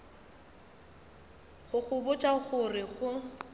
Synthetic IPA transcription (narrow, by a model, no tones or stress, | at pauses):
ɣʊɣʊbʊt͡ʃʼaɣʊrɪɣʊ